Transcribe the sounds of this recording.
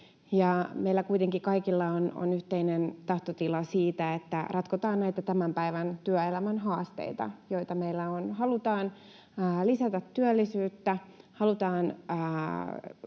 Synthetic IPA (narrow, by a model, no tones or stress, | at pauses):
jɑmeilːækuit̪eŋkikɑikilːɑono̰nyht̪einent̪ɑht̪ot̪ilɑsiːt̪æet̪ːærɑt̪kot̪ɑːnnæit̪æt̪æmæmpæiʋænt̪yœelæmænɦɑːst̪ḛit̪ɑ̰joit̪ɑmeilːæonhɑlut̪ɑːnː | lisæt̪æt̪ːyølːisyːt̪ːæhɑlut̪ɑːnəː